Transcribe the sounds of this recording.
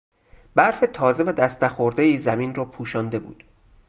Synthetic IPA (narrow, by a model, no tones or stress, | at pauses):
b̥æɾfet̪ʰɒːze̞væd̪æst̪æxoɾd̪ejiːzæmiːnrɒːpʰuːʃɒːnd̪e̞bṵːd̪̥